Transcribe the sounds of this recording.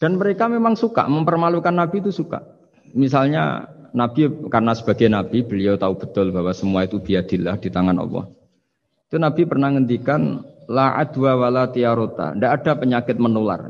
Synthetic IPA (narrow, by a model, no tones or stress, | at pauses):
d̥a̤nməɾekamemaŋsuka̰ʔməmpərmalukanːabit̪usuka̰ʔ | misalɲa̰nab̥ikarnasəb̥aɡajnab̥ib̥əliat̪aub̥ə̤̥t̪ʊlbawasəmuait̪ub̥iad̪̥ilahd̥it̪aŋanɔ̰pɔ̰h | it̪unab̥ipərnahŋənt̪ikanlaʔa̰d̪̥uawalat̪iaɾot̪a̰ndaʔːdapəɲakɪt̪̚mənola̰r